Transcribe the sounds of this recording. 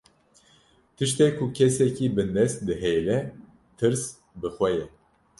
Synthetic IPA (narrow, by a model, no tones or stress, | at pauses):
t̪ʰɨʃt̪eːkʰukʰɛsɛkibɨnd̪ɛst̪̚d̪ɨɦejlɛ | t̪ʰɨɾs | bɨxʷɛjɛ